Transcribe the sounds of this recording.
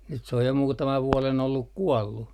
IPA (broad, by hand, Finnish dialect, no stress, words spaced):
nyt se oj jo muːtɑmɑʋ ʋuɔlen olːuk kuɔlːu